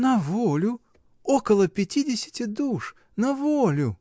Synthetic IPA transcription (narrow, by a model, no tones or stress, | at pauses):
nɐvolʲʊ | okəlˠəpʲɪtʲidʲɪsʲɪ̥tʲɪd̪uʂ | nɐvolʲʊ